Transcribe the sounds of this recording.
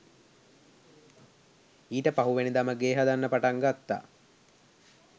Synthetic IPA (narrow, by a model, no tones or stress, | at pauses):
iːʈəpaɦuʋenid̪aməɡeːɦad̪anːəpaʈaŋɡat̪ːa̰ː